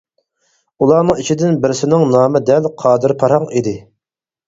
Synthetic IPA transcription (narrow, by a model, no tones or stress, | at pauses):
ulˠɑːnɨŋit͡ʃʰid̪ɪnbɪɾɪsɪnɪŋnɑːmɪd̪ɛlqʰɑːd̪ɪɾpʰɑɾhɑŋid̪ɪ